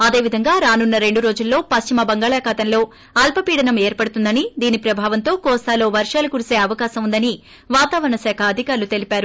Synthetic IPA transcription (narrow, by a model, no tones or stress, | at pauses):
ɐd̪e̞ːʋid̪ʱɐŋɡaːɾaːnunːɐɾe̞ɳɖuɾo̞ːd͡ʒulːo̞ːpɐst͡ʃimɐbɐŋɡaːɭaːkaːt̪ɐnlo̞ː | ɐlpɐpiːɽɐnɐmeːɾpɐɽut̪und̪ɐnid̪iːnipɾɐbʱaːʋɐnt̪oːkɔːst̪aːlo̞ːʋɐɾʂaːlukuɾise̞ːɐʋɐkaːsɐmund̪ɐni | ʋaːt̪aːʋɐɾɐɳɐsaːkʰɐːd̪ʱikaːɾlut̪e̞lipaːɾu